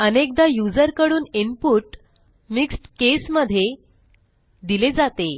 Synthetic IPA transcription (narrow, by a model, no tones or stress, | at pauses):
ənek̚d̪ajud͡zəɾkəɽuːnimpuːʈ | miksʈkesməd̪ʱːje | d̪iled͡zat̪e